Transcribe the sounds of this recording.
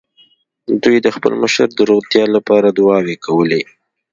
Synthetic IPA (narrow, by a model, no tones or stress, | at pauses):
d̪ujd̪əxpə̰lməʃəɾd̪əɾot̪jɑlapɑɾad̪ʊwɑwekʰawəli